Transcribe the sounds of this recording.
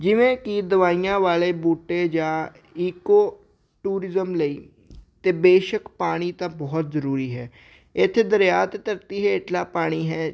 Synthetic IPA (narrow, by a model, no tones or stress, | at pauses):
d͡ʒɪʋẽːkid̪əʋaːiːjãːʋaːleːbuːʈeːd͡ʒãː | iːkoː | ʈuːɾɪzəmləiː | t̪eːbeːʃəkpaːɽ̃iːt̪ãːbɔːt̪zəɾuːɾiːɦɛː | ɪt̪ʰːd̪əɾjaːt̪t̪əɾt̪iːɦeːɪʈlaːpaːɽ̃iːɦɛː